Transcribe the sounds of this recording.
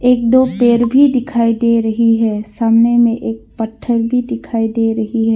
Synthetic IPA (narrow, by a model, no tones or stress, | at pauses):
eːk̚d̪oːpeːɾbʱid̪ɪkʰaːid̪eɾɐɦiɦɛːsaːmnemẽʔeːk̚pəʈʰːəɾbʱid̪ɪkʰaːid̪eɾɐɦiɦɛː